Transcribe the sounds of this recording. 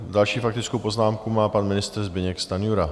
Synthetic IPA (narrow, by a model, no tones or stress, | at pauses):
dalʃiːfakt̪ɪt͡skowpo̞znaːmkumaːpanmɪnɪst̪ɾzbɪɲɛkst̪anjuɾa